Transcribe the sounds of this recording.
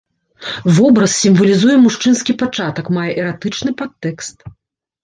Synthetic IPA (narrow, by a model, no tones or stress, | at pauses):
vɔbɾɐssʲimvɐlʲizujɛmuʂt͡ʂɨnskʲipat͡ʂat̪ɐkmajɛʔɛɾat̪ɨt͡ʂnɨpat̪ːɛkst̪